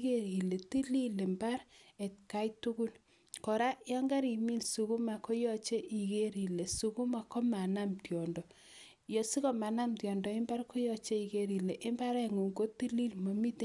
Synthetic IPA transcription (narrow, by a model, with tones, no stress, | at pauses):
ke˦ɾi˨le˨ti˦li˦le˨mba˦ɾe˨tka˦jtu˦ku˦l | kɔ˨ɾa˦jɔ˦ŋɡa˦ɾi˨mi˦nsu˨ku˦ma˨ko˦jɔ˦t͡ʃe˦ʔi˨ke˦ɾi˨le˨su˨ku˦ma˨kɔ˦ma˨na˦mtjɔ˨ndɔ˨ | jɔ˨si˦kɔ˦ma˨na˦mtjɔ˨ndɔ˨ɪ˦mba˦rko˦jɔ˦t͡ʃe˦i˨ke˦ɾi˨le˨ʔɪ˦mba˦ɾa˦ŋu˨ŋɡo˦ti˦li˦lmo˨mi˦t